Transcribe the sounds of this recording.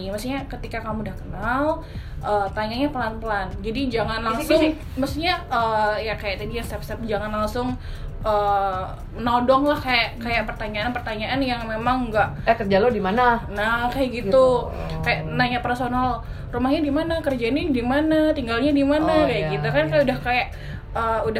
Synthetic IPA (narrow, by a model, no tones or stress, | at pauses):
məsiɲakət̪ikakamudahkənal | ʔəːt̪aɲaɲapəlanpəland͡ʒadid͡ʒaŋanlaŋsʊŋ | məst̪iɲaəjakajaʔt̪adijaŋst̪ɛpst̪ɛp̚d͡ʒaŋanlaŋsʊŋ | ʔə | mənadɔŋlahkajaʔkajaʔpərt̪aɲaanpərt̪aɲaʔanjaŋmemaŋɡaʔkərd͡ʒalodimananakajaʔɡit̪u | kajaʔnaɲapərsonal | rumahɲadimanakərd͡ʒainadimanat̪iŋɡalɲadimanakajaʔɡit̪ukankajaudahkajaʔ | əuda